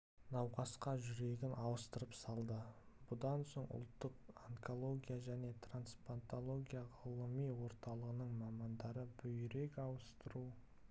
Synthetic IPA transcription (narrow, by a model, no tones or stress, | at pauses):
nɑwqɑsqɑʒʏɾe̞ɡʲɪnʔɑwəst̪əɾəpsɑlˠd̪əb̥ʊd̪ɑnso̞ɴʊ̰lˠt̪ːəq̚aŋkʰo̞lˠo̞ɡʲijaʒæne̞t̪ʰranspant̪olˠo̞ɡʲijaʁəlˠəmijwo̞ɾt̪ɑlˠəʁənəɴmɑmɑnd̪ɑɾəbʏjɾe̞kɑwəst̪əɾu